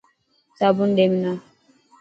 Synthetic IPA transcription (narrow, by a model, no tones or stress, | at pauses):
sabundemina